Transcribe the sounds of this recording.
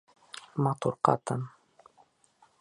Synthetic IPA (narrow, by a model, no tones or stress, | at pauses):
mat̪oɾqɑ̰t̪am